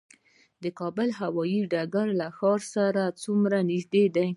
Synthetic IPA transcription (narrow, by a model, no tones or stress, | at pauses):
d̪əkɑbəlɦawɑjiɖaɡaɾlaxɑɾsaɾat͡sumɾanɪʒd̪ed̪aj